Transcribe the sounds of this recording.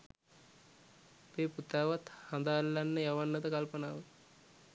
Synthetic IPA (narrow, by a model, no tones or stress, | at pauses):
peːput̪aːʋat̪hand̪aːlːanːəjaʋanːət̪əkalpənaːʋə